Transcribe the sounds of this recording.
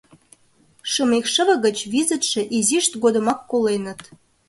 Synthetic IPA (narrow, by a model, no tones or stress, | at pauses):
ʃəmekʃə̆βə̆ɣət͡ɕβizət̪ʃĕʔiziʃt̪ɡod̪ə̆mɑkːolenə̆t̪